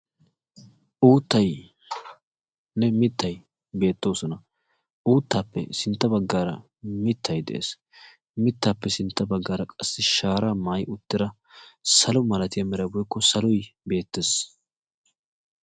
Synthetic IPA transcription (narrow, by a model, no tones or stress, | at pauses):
ʔuːt̪ːɐj | nɛmɪt̪ʰːɐj | be̞ːt̪ːo̞ːsɔnɐ | ʔuːt̪ːaːpːɛ̰sɪnt̪ːɐbɐɡːaːɾɐ̰ | mɪt̪ʰːɐjd̪ɛ̰ʔḛːs | mɪt̪ːaːpːɛsɪnt̪ːɐbɐɡːaːɾɐkʼɐsːɪʃaːɾaːmaːjʊt̪ːɪɾɐ | sɐlɔmɐlɐt̪ɪjɐmɛɾɐbɔjkːɔsɐlɔjbe̞ːt̪ːes